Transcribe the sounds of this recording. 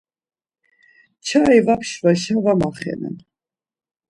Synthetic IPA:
t͡ʃʰaivapʰʃvaʃavamaχɛ̰nɛ̰n

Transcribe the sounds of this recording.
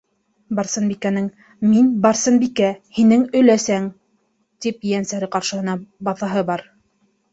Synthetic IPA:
bɑɾsɤnbikænɘŋ | minbɑɾsɤnbikæhinɘŋɵ̆læsæŋ | t̪ip̚jænsæɾɘqɑɾʃɤ̆hɤ̆nɑbɑθɑɦɤbɑɾ

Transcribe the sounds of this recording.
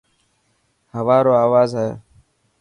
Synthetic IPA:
həʋaːɾoːaːʋaːzɦḛː

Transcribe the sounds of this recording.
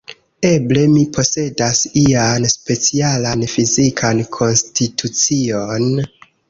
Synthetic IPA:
e̞ble̞mipʰo̞se̞dasianspe̞t͡sialanfizikʰankʰo̞nstitʰut͡sio̞n

